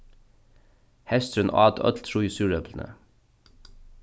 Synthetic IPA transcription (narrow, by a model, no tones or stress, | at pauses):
hɛst̪ɾʉnɑ̰ːd̪œ̰t̪lt̪ʰɾuːjɪsʉːɹœbln̩ə̰